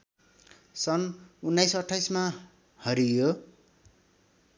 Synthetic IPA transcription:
sʌnunːajsʌʈʰːajsma | hʌɾijo

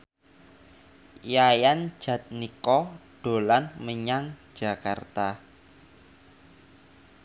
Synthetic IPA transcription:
jajan̥ʒ̥ä̤t̪̚nikɔɖ̥o̤lanməɲaŋ̥d͡ʒ̥a̤kart̪a

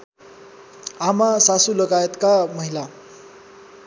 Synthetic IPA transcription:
amasasulʌɡajʌt̪kamʌɦila

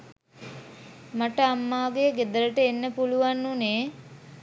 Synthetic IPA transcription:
maʈəamːaːɡeəɡed̪ələʈəenːəpuluʋanːuneː

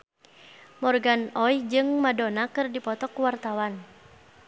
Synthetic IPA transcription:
mɔrɡanɔjd͡ʒɨŋmadɔnakɨrdipɔt̪ɔkuwart̪awan

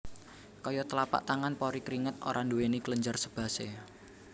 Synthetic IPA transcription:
kɔjɔt̪əlapa̰ʔt̪aŋanpɔɾikɾiŋət̪̚o̰ɾʔanduwenikləɲd͡ʒarsəb̥a̤sḛ

